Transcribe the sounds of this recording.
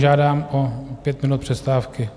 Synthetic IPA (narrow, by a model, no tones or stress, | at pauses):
ʒaːdaːmɔpjɛt̪mɪnut̪̚prʂɛst̪aːfkɪ